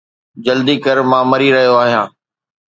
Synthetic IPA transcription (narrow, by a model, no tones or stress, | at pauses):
d͡ʑəld̪iːkəɾmãːmɐɾiɾɐɦijoaːɦijãː